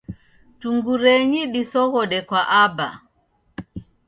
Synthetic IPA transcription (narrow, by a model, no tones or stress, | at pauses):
tuŋɡuɾɛɲiɗisɔɣɔɗɛkwaʔaba̰